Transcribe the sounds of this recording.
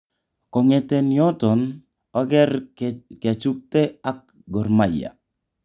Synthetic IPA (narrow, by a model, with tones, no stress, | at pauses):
kɔ˨ŋe˨te˨ni˦ɔ˦tɔ˨n | ɔ˦ɡɛ˦ɾka˨t͡ʃu˦k̚te˦a˦k̚ | ɡɔ˨rma˨ja̰˨